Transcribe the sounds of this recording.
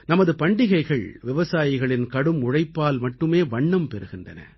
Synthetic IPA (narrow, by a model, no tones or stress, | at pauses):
nɐmɐðɯpɐɳɖɪɣɐɪɣɐɭʋɪʋɐsaːjɪɣɐɭɪnkɐɽɯmʊɻɐɪpːaːlmɐʈːɯmeːʋɐɳːɐmpɛɾɯɣɪndrɐ̰nɐ̰